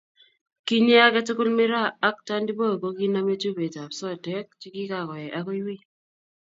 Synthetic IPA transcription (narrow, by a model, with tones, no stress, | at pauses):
ki˦ɲe˦a˦kɛ˦tʊ˦kʊ˦lmɪ˦ɾaː˦˨˦k̚ta˦ndi˦bo˦˨ko˦ki˦na˦me˦tu˦be˨ta˨psɔ˦˨tɛ˦k̚t͡ʃi˦ki˦ka˨kɔ˨jɛ˨ʔa˦ko˦jwi˦